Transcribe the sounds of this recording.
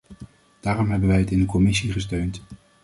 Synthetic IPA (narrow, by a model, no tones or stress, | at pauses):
d̥aːrɔmɦɛbənʋɛjɦətɪndəkɔmɪsiχəstøɥnt